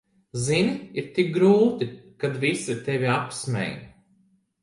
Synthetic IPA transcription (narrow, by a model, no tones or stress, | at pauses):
zinʲiɾt̪ik̚ɡɾuːt̪ikad̪visit̪evʲiapsmʲɛ̰jnʲ